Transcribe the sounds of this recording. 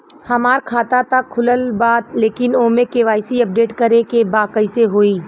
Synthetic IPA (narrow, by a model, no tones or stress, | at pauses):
hɐmaːɾkʰaːt̪at̪akʰːʊləlbaːt̪leːkɪnoːmẽkeːʋaːjsiɐp̚ɖeːʈkəɾekebaːkəiseɦoːiː